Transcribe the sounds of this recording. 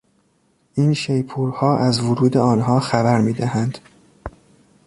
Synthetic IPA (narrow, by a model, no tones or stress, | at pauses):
ʔiːnʃejpʰuːɾhɒːʔæzvoɾuːd̪eɒːnɦɒːxæbæɾmiːd̪æhænd̪̥